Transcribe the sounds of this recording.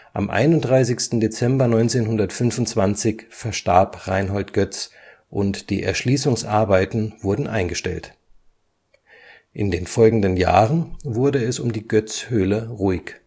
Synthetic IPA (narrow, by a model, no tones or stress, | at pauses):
ʔa̰mʔa̰ɪnʊnt̚d̥ʁaɪsɪçstn̩det͡sɛmbɐnɔʏnt͡seːnhʊndɐtfʏnfʊnt͡sv̥ant͡sɪçfɛɐʃtaɐpʁaɪnɦɔltɡ̥œt͡s | ʔʊntd̥ḭːʔɛ̰ɐʃliːsʊŋsʔaɐbaɪtn̩v̥ʊɐdn̩ʔa̰ɪnɡəʃtɛ̰lt | ʔɪndeːnfɔlɡŋ̩dənja̰ːʁənvʊɐdəɛsʊmdiːɡœt͡shøːləʁuɪk